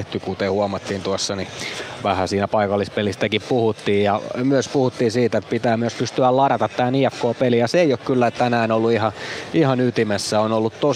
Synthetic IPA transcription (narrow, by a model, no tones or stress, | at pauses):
ht̪ykut̪ehuɑmɑt̪ːiːnt̪uɑsːɑniʋæhæsiːnæpɑikɑlːispelist̪ækippuhut̪ːiːjjɑmyøspuhut̪ːiːnsiːt̪et̪pit̪æːmyøspyst̪yællɑɾɑt̪ɑt̪t̪æːniɛkːoːpelijɑseeiokkylːæett̪ːænæːnolːuihɑihɑnyt̪imesːæonolːut̪t̪o